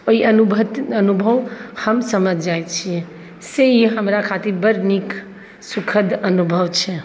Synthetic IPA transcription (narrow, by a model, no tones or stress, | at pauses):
oiənubʱət̪ənubʱəʋhəmsəməd͡ʒʱd͡ʒajt͡ʃʰiɛ | seiɦəmɾakʰat̪iɾbəɾnik | sukʰəd̪ənubʱəʋt͡ʃʰɛ